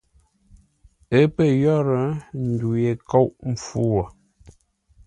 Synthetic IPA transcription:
ə˦pə˦jɔ˦ɾə˨n̩˨du˨je˨ko˦wʔm̩˨fu˦wɔ˨

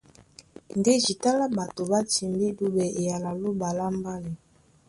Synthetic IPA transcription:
n˨de˦ʒi˨ta˦la˦ba˨to˨ba˦ti˨mbi˦du˦bɛ˨ʔe˨ja˨la˨lo˦ba˨la˦mba˦li˨

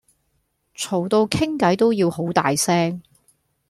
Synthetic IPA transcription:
t͡ʃʰo˨˩wt̪o˧wkʰɪ˥ŋkɐ˨˥jt̪o˥wjiː˧who˨˥wt̪a̰ː˨jsɛː˥ŋ

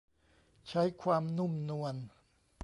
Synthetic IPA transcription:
t͡ɕʰa˦˥jkʰwaː˧mnu˥˩mnu˧ən

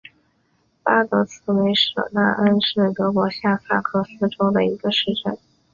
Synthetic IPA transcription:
pa˥t̪ɤ˧˥t͡sʰɹ̩˥we˧˥ɪʂɤ̰˨˩na̰˥˩ʔə˥nʂɻ̩˥˩t̪ɤ˧˥kwɔ˧˥ɕja˥˩fʰa˥˩kʰɤ˥sɹ̩˥ʈ͡ʂo˥ʊd̪ə˨i˧˥ɡə˧ʂɻ̩˥˧ʈ͡ʂə̰˥˩n

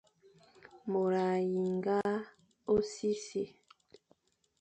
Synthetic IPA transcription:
mo˨ɾa˨ji˨ŋɡa˦ | o˦si˦se˨

